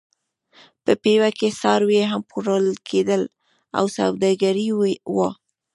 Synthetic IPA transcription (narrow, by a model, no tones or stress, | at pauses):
pəpewakesɑɾwjeɦampuɾəlkʰed̪əl | a̰wsa̰wd̪ɑɡaɾiwwa